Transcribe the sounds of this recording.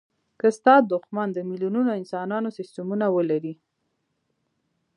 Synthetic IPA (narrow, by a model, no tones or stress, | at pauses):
kəst̪ɑd̪ʊxmand̪əmiljununoɪnsɑnɑnosɪstamunawəlaɾi